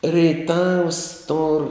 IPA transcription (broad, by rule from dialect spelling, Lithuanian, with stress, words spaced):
rʲɛɪˈtɐws toːr